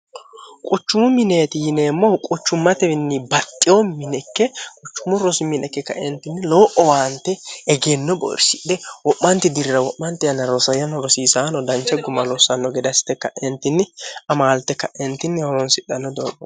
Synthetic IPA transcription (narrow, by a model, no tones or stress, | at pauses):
kʼʊt͡ʃːʊmʊmɪneːt̪ɪjɪneːmːɔkʼʊt͡ʃːʊmːɐt̪ɛɪnːɪbɐt̪ʼːɪjɔmɪnɛkːɛkʼʊt͡ʃːʊmʊɾɔsɪmːɪnɛkːɛkɐ̰ʔɛnt̪ɪnːɪloːʔɔwaːnt̪ːɛɛɡenːɔbɔ̰ɾsɪd̪ɛwɔʔːɐnt̪ɪd̪ɪɾɾɐwɔʔːɐnt̪ɪjɐnːɐɾɔsɐjɐnɔɾɔsiːsaːnɔd̪ɐnt͡ʃːɛɡʊmːɐlɔsɐnːɔɡɛd̪ɐsɪ̥t̪ːɛkːɐʔɛnt̪ːɪnːɪɐmaːlt̪ːɛkːɐʔɛnt̪ːɪnːɪhɔɾɔnsɪᶑɐnːɔd̪oːb